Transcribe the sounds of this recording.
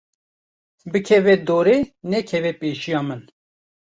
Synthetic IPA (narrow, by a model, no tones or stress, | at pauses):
bɨkʰɛvɛd̪oːɾeːnɛkʰɛvɛpeːʃijɑːmɨn